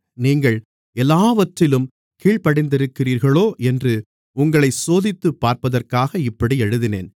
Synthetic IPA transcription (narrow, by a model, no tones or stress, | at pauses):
niːŋɡɐɭ | ɛlːaːʋɐʈrɪlɯm | kiːɭpɐɽɪnd̪ɪɾɯkːɪriːɾɣɐɭoːʔɛndrɯ | ʊŋɡɐɭɐɪsoːðɪt̪ːɯpːaːɾpɐðɐrkaːɣɐɪpːɐɽiɛɻɯðɪnḛːn